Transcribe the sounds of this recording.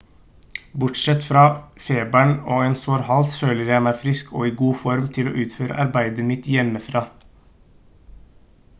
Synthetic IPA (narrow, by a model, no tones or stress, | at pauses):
bʊʈʃɛt̪fɾɑːfeːbæɳoːeːnsoːɾhɑlsføːləɾjæɪmæɪfɾɪskʰo̰ːiːɡuːfɔɾmt̪ʰɪlo̰ːʔʉːt̪føːɾə̰ʔɑɾbæɪd̪əɾmɪt̪jɛməfɾɑː